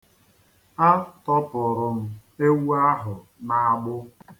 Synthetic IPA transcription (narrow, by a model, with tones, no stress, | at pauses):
a˦tɔ˦pʊ˨ɾʊ˨m̩˦e˦wu˦a˦ɦʊ˨ | na˨a˨ɡ͡bʊ˦